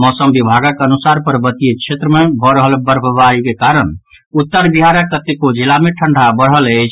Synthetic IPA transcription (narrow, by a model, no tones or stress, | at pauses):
mɔsəmbibʱaɡakeənusaɾpəɾbət̪iet͡ʃʰet̪ɾəmebʱɔɾəɦəlbəɾbəbaɾikekaɾən | ut̪ːəɾbiɦaɾəkːət̪ːekod͡ʒilameʈʰəɳɖʱabəɽɦələt͡ʃʰ